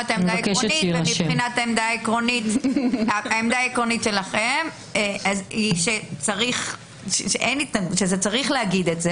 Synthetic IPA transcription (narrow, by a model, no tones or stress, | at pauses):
at̪aemdaekeʃoniemibʃχinataemd̪aekʁo̞nit̪aaemd̪aekʁo̞nitʃe̞laχem | ʔaziʃet͡saʁiχ | ʃeʃeʔejnit̪naɡuʃezet͡saʁiχleaɡid̪etze